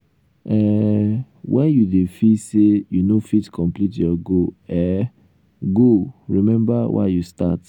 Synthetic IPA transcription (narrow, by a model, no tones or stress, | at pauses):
ɛ | wʔɛ̃njudefisejunofitkʰɔ̃mplitjɔɡoɛ | ɡoɹimɛ̃mbawʔa̰justa̰t